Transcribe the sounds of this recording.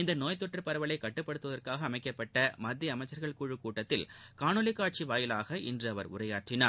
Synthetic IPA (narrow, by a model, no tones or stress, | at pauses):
ɪnd̪ɐnoːjt̪ːɔʈːrɐɾpɐɾɐʋɐɭɐɪkːɐʈːɯpːɐɽɯt̪ːɯʋɐðɐɾkaːɣɐːmɐɪkːɐpːɐʈːɐmɐd̪ːjɐɐmɐɪt͡ʃːɐɾɣɐɭkuːɻɯkːuːʈːɐt̪ːɪlkaːɳɯlɪkːaːʈ̚t͡ʃiʋaːjɪlaːɣɐʔɪ̰ndrɯɐʋɐɾʊ̰rɐjaːʈrɪnaːɾ